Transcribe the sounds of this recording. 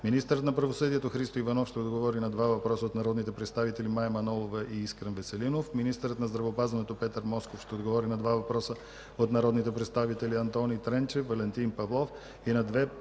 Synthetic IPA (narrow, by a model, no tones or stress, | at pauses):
minist̪əɾət̪nɐpɾɐvosɤd̪iɛt̪oxɾist̪oivɐnɔfʃt̪ɛod̪ɡovɔɾinɐd̪vavɐpɾɔsəot̪nɐɾɔd̪nit̪ɛpɾɛt̪st̪avit̪ɛlimajɛmɐnɔlˠovəʔiiskɾənvɛsɛlinofminist̪əɾət̪nɐzd̪ɾɐvɛopazvɐnɛt̪opɛt̪əɾmɔskofʃt̪ɛod̪ɡovɔɾinɐd̪vavɐpɾɔsə | ot̪nɐɾɔd̪nit̪ɛpɾɛt̪st̪avit̪ɛlʲiɐnt̪ɔnit̪ɾɛnt͡ʃɛfvɐlɛnt̪inpɐvlˠɔf | inɐd̪vɛ